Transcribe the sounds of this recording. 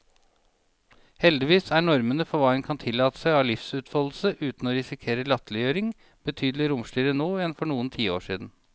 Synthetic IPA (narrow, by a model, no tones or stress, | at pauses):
hɛld̪ɪʋiːsæːɳɔɾmənəfɔʋɑːɛnkʰɑnt̪ʰɪlːɑːt̪ə̥sæɪɑːʋlɪfsʉːt̪fɔːll̩səʔʉːt̪n̩oːɾɪsɪkʰeːɾəlɑt̪lɪjøːɾɪŋ | b̥ət̪ʰyːd̪lɪɾʊmsʈ̪yːɾənoːjɛnfɔɳuːənt̪ʰiːo̰ːʂiːd̪n̩